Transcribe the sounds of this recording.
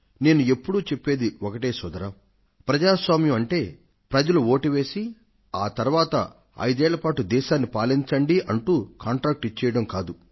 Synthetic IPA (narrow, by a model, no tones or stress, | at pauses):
ne̞ːnue̞pːuɽuːt͡ʃe̞pːe̞ːd̪iɔkɐʈe̞ːsɔd̪ɐɾɐm | pɾɐd͡ʒaːsʋaːmjɐmɐɳʈe̞ː | pɾɐd͡ʒɐluo̞ːʈiʋe̞ːsi | aːt̪ɐɾuʋaːt̪ɐ̰ | ɐ̰jd̪ɛːɭɐpaːʈud̪ɛːʃaːnːipaːliɲt͡ʃɐɳɖiʔɐɳʈuːkaːɳʈɾaːk̚ʈit͡ʃːɛjɐɽɐmkaːd̪u